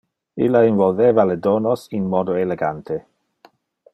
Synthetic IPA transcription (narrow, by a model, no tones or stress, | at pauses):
ḭlːainvolveːvaledoːnosinmɔːd̪oeleɡant̪ʰe